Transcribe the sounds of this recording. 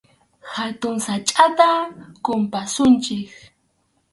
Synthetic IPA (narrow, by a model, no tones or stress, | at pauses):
hat̪ʊŋsat͡ʃʼat̪akʊmpasʊnt͡ʃɪk